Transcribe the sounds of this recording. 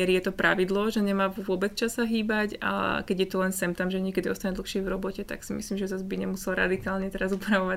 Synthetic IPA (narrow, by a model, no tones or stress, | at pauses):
ɛɾijɛt̪ɔpɾʔaʋid̪lɔʒɛɲɛmaːʋʊʊɔbɛt͡st͡ʃasaɦiːbaca̰kɛɟjɛt̪ɔlɛnsɛmt̪amʒɛɲɛkɛd̪iɔst̪aɲɛd̪l̩xʃɪɛvɾɔbɔcɛt̪a̰ksimḭslimʒɛzazbiɲɛmusɛlɾa̰d̪ikaːlɲɛt̪ɛɾazupɾaʋɔʋa